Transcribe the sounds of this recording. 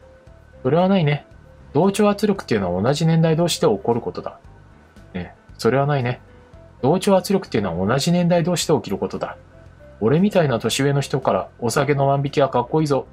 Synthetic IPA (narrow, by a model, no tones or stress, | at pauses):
so̞ɾe̞β̞anaine̞ | d̪̥o̞ːt͡ɕo̞ːat͡sɨɾʲjo̞kɯ̟̥t̪ːeiɯ̟noβaonaʑinẽ̞nd̪aid̪o̞ːɕi̥t̪e̞o̞ko̞ɾɯ̟ko̞t̪o̞d̪a | eso̞ɾe̞β̞anaine̞ | d̪̥o̞ːt͡ɕo̞ːat͡sɨɾjo̞kɯ̟̥eiɯ̟noβa̰o̞naʑinẽ̞nd̪aid̪o̞ːɕi̥t̪e̞o̞kʲiɾɯ̟ko̞t̪o̞d̪a | o̞ɾe̞mʲit̪ainat̪o̞ɕiβe̞ːno̞çi̥t̪o̞kaɾa̰o̞sake̞no̞βãmbʲikʲiβakakːo̞iːzo̞